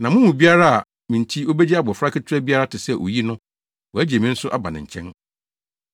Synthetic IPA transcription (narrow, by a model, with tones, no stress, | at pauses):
nã˨mʊ̃˦mʊ̃˨bi˦a˦ɾa˦a˨ | mĩ˨n˨tʰi˦o˦be˦d͡ʑi˦a˦bɔ˨fa˦kʰɪ˦tʰɪ˦ɾɛ˦bi˦a˦ɾa˦tʰɪ˨sɛ˦˨ʔo̰˨ji˦nʊ̃˦ | wɔ˨æ˦d͡ʑi˨e˨mĩ˦n̩˦sʊ˦ʔa˦ba˨nɪ̰̃˨ɲ̩˨t͡ɕʰɛ̰̃˦n